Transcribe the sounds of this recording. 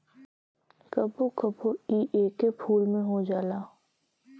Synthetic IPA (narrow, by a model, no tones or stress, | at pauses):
kɐbokəbʱoiːʔeːkepʰuːlmẽɦod͡ʒaːlaː